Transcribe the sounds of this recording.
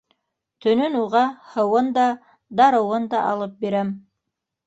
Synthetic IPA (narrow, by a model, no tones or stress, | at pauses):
t̪ʰɵ̆nɵnuʁɑhɤ̆wɤnd̪ɑ | d̪ɑɾɤ̆wɤnd̪ɑʔɑlˠɤp̚beɾæm